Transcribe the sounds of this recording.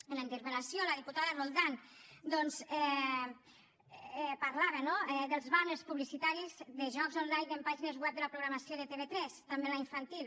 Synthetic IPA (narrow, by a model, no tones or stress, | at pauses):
ənlaint̪əɾβəlasjoləðiput̪aðərolˠd̪and̪ɔnzɛ | ɛpaɾlaβənoɛðəlˠzβanəspuβlisit̪aɾizðəʒɔkzonlajnempaʒinezwɛp̚d̪əlapɾuɣɾamasjoðet̪eβet̪ɾɛst̪ambenlaiɱfant̪il